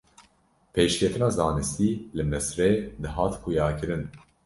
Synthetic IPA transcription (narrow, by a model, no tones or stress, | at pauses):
pʰeːʃkʲʰɛt̪ɨnɑːzɑːnɨst̪iːlɨmɛsɾɛd̪ɨɦɑːt̪kʰuːjɑːkɨɾɨn